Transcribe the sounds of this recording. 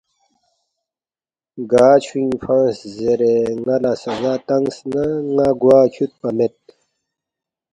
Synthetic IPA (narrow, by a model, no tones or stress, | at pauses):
ɡaːt͡ɕʰwĩŋfãnszeɾeŋɐlasɐzaːt̪ɐŋsnaŋaɡwaːt͡ɕʰut̪̚pɐmet̪̚